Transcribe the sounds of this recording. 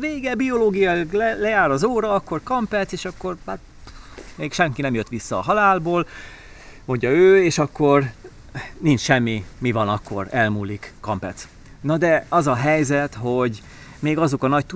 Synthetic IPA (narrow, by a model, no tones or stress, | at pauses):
ʋeːɡɛbio̞loːɡijɒɡllɛjaːɾɒzoːɾɒɒkːo̞rkɒmpɛt̪seːʃɒkːo̞ra | meːkʃɛŋkinɛmjøt̪ʋisːɒːɦɒlaːlboːl | mo̞ɲɟɒøːeːʃɒkːo̞r | nint͡ʃʃɛmːimivɒnɒkːo̞̰rɛlmuːlikːɒmpɛt̪s | nɒd̪ɛɒzɒɦɛjzɛt̪ho̞ɟ | meːɡɒzo̞kɒnɒc̚t̪u